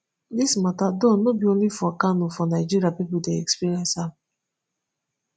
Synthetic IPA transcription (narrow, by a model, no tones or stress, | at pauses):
dismatadon̩ːobionifakanʊfɔnaɪd͡ʒiɾiapipudeɛkspiɾiɛnsa